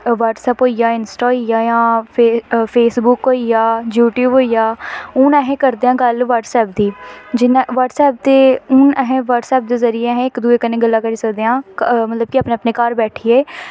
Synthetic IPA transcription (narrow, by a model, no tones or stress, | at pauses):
ʋəʈsɛːpɦoːijaːɪnsʈaːojaːjãːpepʰeːsbʊkɦoːijaːd͡ʒjuːʈjuːbɦoːijaːʊnɛːɦẽːkəɾd̪eːãːɡəlʋəɾʈsɛːp̚d̪iːd͡ʒɪnʋəʈsɛːp̚t̪eːʊnɛɦẽʋəʈsɛːp̚d̪eːzəɾieːɛɦɛ̃ːɪkd̪ueːkəneːɡəlːãːkəɾiːsəkd̪eːãːmət̪ləb̚kɪaːpnẽːəpneːkaːɾbɛːʈʰiːeː